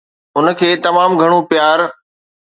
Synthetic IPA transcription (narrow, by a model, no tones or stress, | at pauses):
ʊnə̆kʰeːt̪ɐmaːmɡʱɐɽ̃ũpɪjaːɾ